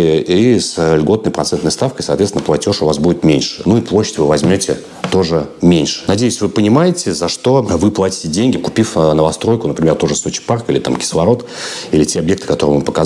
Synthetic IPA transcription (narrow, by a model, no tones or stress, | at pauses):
islʲɡo̞t̪nəjpɾɐt̪sɛnt̪nəjst̪afkəjsɐːt̪veɪnəplˠɐtʲo̞ʂʊvasbudʲɪt̪mʲenʲʂɨ̥nuiplˠoɕːɪ̥tʲvɨvɐzʲmʲotʲɪ̰ | t̪o̞ʐɨmʲenʲʂɨ̥nɐdʲejʏsʲvɨpənʲɪmajɪtʲɪzɐʂt̪o̞vɨplˠatʲɪ̥tʲɪdʲenʲɡʲɪkʊpʲifnəvɐst̪ɾo̞jkʊnəpɾʲɪmʲert̪o̞ʐɨso̞t͡ɕɪ̥parkilʲɪt̪a̰mkʲɪ̥slˠɐɾo̞t̪ | ilʲɪtʲeɐbje̞k̚t̪ɨ̥kɐt̪o̞ɾɨvɨpəkɐ